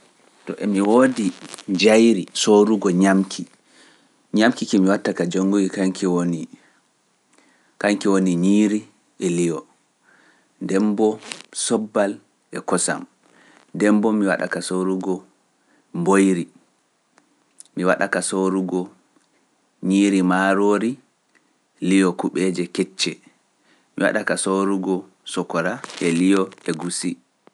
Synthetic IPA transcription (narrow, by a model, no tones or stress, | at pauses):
tɔʔɛmiwodid͡ʒajɾisoɾuɡɔɲamkʰi | ɲamkikimiwatːakad͡ʒoŋɡuwikaŋkʰɛwoni | kaŋkɛwoniɲiɾi | ʔɛlijɔ | ndɛmbɔsɔbːal | ʔɛkɔsa̰m | dɛmbɔmiwa̰ɗa̰kasoɾuɡɔ | mbojɾi | miwaɗakasoɾuɡɔ | ɲiːɾimaɾoːɾi | lijɔkuɓɛd͡ʒɛkɛt͡ʃːɛ | miwa̰ɗakasoɾuɡɔ | sɔkɔɾaʔɛlijɔɛɡusi